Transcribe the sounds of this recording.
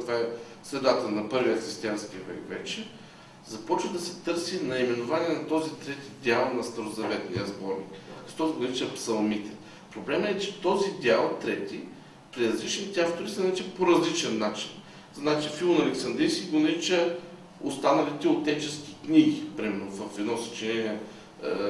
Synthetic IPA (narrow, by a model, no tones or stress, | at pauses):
t̪vaɛ | sɾɛd̪at̪ənɐpɤɾvijəxɾist̪ianskʲiəvɛ̰kvɛ̰t͡ʃɛ | zɐpɔt͡ʃvəd̪ɐsɛ̥t̪ɤɾsinɐimɛnʊvaniɛnɐt̪ɔzit̪ɾɛt̪id̪ʲialˠnɐst̪ɐɾozɐvɛt̪nijəzbɔɾnḭkkkt̪ɔzɡonɐɾit͡ʃəpsɐlˠmit̪ɛ | pɾoblɛmɛt͡ʃɛ̥t̪ɔzid̪ʲialˠt̪ɾɛt̪i | pɾiɾɐzlit͡ʃnit̪ɛaft̪oɾisɐnɐɾit͡ʃəpoɾɐzlit͡ʃɛnːat͡ʃin | znat͡ʃifilˠmnɐlɛksɐnd̪ɾiskʲiɡonɐɾit͡ʃə | ost̪anɐlit̪ɛot̪ɛt͡ʃɛsk̟ʲi̥kniɡipɾimɛɾnovɐfɛd̪nɔsɐ̥t͡ʃɛnɛniɛ